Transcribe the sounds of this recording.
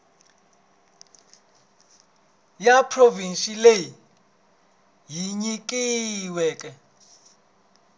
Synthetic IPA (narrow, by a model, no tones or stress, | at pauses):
japʰrovinʃileji | jiɲik̬ʼiwɛkʼɛ